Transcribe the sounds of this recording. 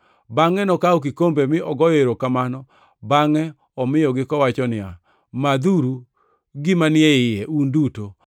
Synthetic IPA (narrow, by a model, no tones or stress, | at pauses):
baŋɛnɔkaɔk̬ɪkombemɪɔɡɔjeɾokamanɔ | baŋɛ | ɔmɪɔɡɪkɔwat͡ʃɔnɪa | mad̪uɾu | ɡɪmanɪɛɪjɛʔunduto